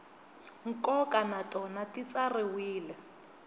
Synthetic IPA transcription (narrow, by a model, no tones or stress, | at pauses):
ŋ̩kɔkanatɔnatit͡sarɪwiːlɛ